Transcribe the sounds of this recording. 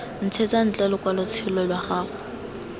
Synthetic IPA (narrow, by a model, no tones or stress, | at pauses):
n̩t͡sʰet͡sʼan̩t͡ɬʼɛlʊkʼwalʊt͡sʰɪlɔlwaχaːχʊ